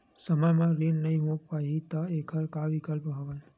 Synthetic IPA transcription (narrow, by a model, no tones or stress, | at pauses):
səməjmãɾinnɐɦĩɦõpaɦit̪aekʰəɾkaʋɪkəlpɦəʋəl